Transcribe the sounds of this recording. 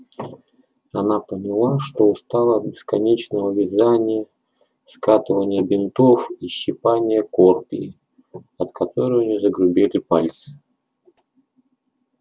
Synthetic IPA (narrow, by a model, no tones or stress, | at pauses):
ɐnapənʲɪlˠaʂt̪o̞ʊst̪alˠəɐt̪̚bʲɪskɐnʲet͡ɕnəvəʊvʲɪzanʲɪjə | skat̪ɨvənʲɪjəbʲɪnt̪ofiɕːɪpanʲɪjəkorpʲɪ̰ː | ɐt̪kɐt̪o̞ɾɨjnʲɪzəɡɾʊbʲelʲɪpalʲt̪sɨ̥